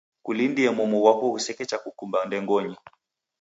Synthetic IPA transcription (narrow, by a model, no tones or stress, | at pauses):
kulindiɛmɔmɔwakɔhusɛkɛt͡ʃakukumbandɛŋɡɔɲi